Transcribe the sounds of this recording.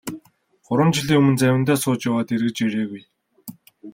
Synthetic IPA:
χʊɾwə̆mt͡ɕiɮiːŋɵmɵ̆nt͡sæwʲɪ̆nt̪æːsʊːt͡ɕjawaːt̪erɣɘ̆t͡ɕeɾeːɣuj

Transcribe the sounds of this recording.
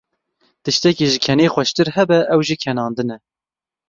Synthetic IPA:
t̪ɨʃt̪ɛkiʒɪkʰɛneːxʷɛʃt̪ɨɾhɛbɛʔɛwʒiːkʰɛnɑːnd̪ɨnɛ

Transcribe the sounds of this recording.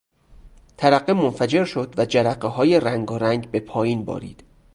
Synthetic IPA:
t̪ʰæɾæɢːemonfæd͡ʒe̞ɾʃo̞d̪væd͡ʒæɾæɢːeɦɒːjeræŋɡɒːɾæŋɡbe̞pʰɒːjiːnbɒ̰ːɾḭːd̪̥

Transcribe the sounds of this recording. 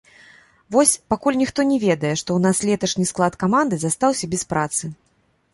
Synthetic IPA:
vɔsʲpakulʲnʲixt̪ɔnʲɛvʲɛd̪ɐjɛʂt̪ɔwnaslʲɛt̪ɐʂnʲisklˠat̪kamand̪ɨzast̪awsʲɐbʲɛspɾat̪sɨ

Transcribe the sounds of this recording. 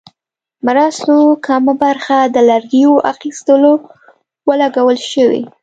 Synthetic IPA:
maɾɑst̪okʰamabaɾxad̪əlaɾɡijoʔaxist̪əlo | wəlaɡawəlʃəwḭ

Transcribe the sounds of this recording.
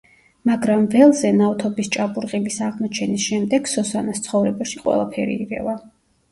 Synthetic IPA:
maɡɾamvɛlˠzɛnaft̪ʰɔbist͡ʃʼabuɾqʼilisaʁmɔt͡ʃʰɛnisʃɛmd̪ɛɡsɔsanast̪sʰχɔvɾɛbaʃiqʼwɛ̰lˠapʰɛɾḭːʁɛ̰va

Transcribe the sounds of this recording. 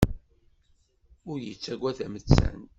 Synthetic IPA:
ʊɾjət͡sːæɡʷæðæmət͡sːæ̰n

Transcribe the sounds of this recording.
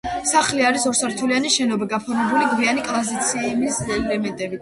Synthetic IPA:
saχliaɾisɔɾsaɾt̪ʰulianiʃɛnɔbiɡapʰɔɾmɛbuliɡvianikʼlˠazit̪sʰimislɛmɛnt̪ʼɛbi

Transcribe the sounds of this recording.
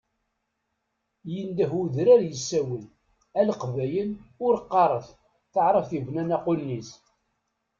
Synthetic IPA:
jənd̪əɦuðɾæɾjəsːæwən | ælqvæjənʊɾqːɑɾˤəθ | θəʕɾˤəfθivnænæqʊnːis

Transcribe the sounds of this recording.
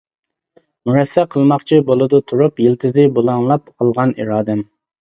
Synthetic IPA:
muɾɛsːɛqʰəlˠmɑχt͡ʃʰibolˠɨd̪ɨt̪ʰuɾupjilt̪ʰɪzɪbolˠɑŋlˠɑpɑlˠʁɑnḭɾɑːd̪ɪm

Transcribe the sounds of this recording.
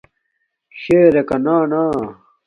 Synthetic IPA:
ɕeːɾekɐnaːnaː

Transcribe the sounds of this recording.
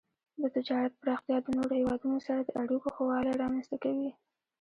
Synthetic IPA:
d̪ət̪ɪd͡ʒɑɾat̪̚pəɾɑxt̪jɑd̪ənoɾohewɑd̪unosaɾad̪əʔaɽikoxowɑleɾɑmanst̪akawi

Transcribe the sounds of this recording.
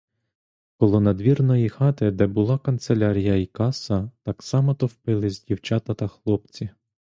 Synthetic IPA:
kɔlˠɔnɐd̪ʋʲirnɔjixɑt̪ɪd̪ɛbʊlˠɑkɐnt̪selʲɑɾʲijɐikɑsɐt̪ɑksɑmɐt̪ɔwpɪlˠɪzʲdʲiwt͡ʃɑt̪ɐt̪ɐxlˠɔpt͡sʲi

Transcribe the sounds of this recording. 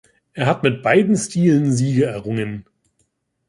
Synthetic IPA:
ʔeːɐɦatmɪt̚b̥aɪdn̩stiːlənziːɡəɛɐʁʊŋən

